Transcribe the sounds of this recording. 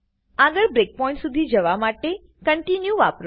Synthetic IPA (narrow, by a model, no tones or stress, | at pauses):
aɡəɾbɾek̚pɔɪ̃ɳʈsud̪ʱid͡ʒəʋamaʈe | kəɳʈinjuʋapɾ